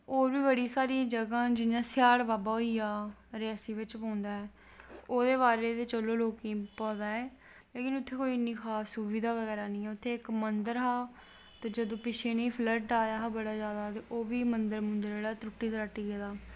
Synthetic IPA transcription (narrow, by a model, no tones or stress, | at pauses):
oːʋiːbəɽiːsaːɾĩd͡ʒəɡãːd͡ʒɪnjãːsɪjaːɽʋaːbaːɦoiːjaːɾɪaːsiːʋɪt͡ʃpãːnd̪aːɛː | oːd̪eːbaːɾeːt̪eːt͡ʃəlõːloːkĩːpãːd̪aːɛː | leːkɪnʊt̪ʰːeːkoːiːɪnːĩːxʰaːsuʋiːd̪aːʋəɡɛːɾaːnĩːɛːʊt̪ʰːeːɪkmənd̪əɾɦaː | t̪eːd͡ʒəd̪õːpɪt͡ʃʰeːnĩːpʰləʈɖaːjaːɦaːbəɽaːd͡ʒjaːd̪aːt̪eːʔoːʋiːmənd̪əɾmʊ̃nd̪əɾeːɽaːt̪ɾʊʈːiːt̪ːɾaːʈiːɡeːd̪aː